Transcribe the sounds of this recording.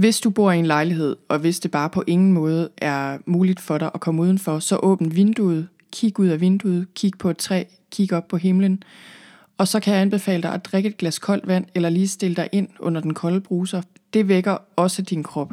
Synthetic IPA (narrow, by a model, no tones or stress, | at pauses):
ʋe̝sd̥ub̥o̝ɐ̰ie̝nlɑ̈ɪliɦe̝ð̞̰ˠɒ̽ʋe̝sd̥e̝b̥ɑ̈ːpʰɒ̽ʔe̝ŋn̩mɔ̽ːð̞ˠəæɐmuːlid̥fɒ̽ɾɑ̈ɪʔɒkʰɒ̽məuːðˠn̩fɒ̽sɒ̽ʔɔ̰̽ːb̥n̩ʋe̝nd̥uð̞̩ˠ | kʰiɡ̥uð̰ˠæʋe̝nd̥uð̩ˠkʰiɡ̥əpʰɒ̽ed̥t͡sʰʁɛ̰ː | kʰiɡ̥ɒ̽b̥̚pʰɒ̽ɦe̝mlən | ɒ̽sɒ̽kʰæjɑ̈ænb̥e̝fɛ̰ːləd̥ɑ̈ɪʔɒd̥ʁeɡ̥əe̝d̥̚ɡ̥læskʰɒ̽l̰d̥ʋæn̰elɐliːsd̥e̝ləd̥ɑ̈ɪʔe̝n̰ɔ̽n̰ɐd̥enkʰɒ̽lb̥ʁuːsɐ | d̥e̝ʋeɡ̥ɐɒ̽səd̥inkʰʁɒ̽b̥